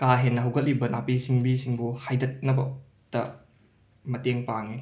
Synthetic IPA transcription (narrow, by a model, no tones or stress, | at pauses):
kaɦenːɐɦɐwɡɐt̚libɐnapisiŋbisiŋbuhajdɐt̚nɐbɐ | tɐ̰ | mɐteŋpaŋi